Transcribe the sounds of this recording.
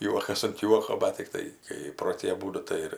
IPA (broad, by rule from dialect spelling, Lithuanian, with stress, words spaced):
ˈjuɔkɐs ɐnt ˈjuɔkoː ˈmɐn tʲɪkˈtɐɪ kɐɪ proː ˈtʲiː ɐˈbuːdʊ ˈtɐɪ ɪr